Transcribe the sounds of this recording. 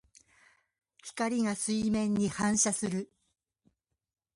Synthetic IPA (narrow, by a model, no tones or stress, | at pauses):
çi̥kaɾʲiŋasɨimẽ̞ɲ̟ːihãɰ̃ɕasɨɾɯ̟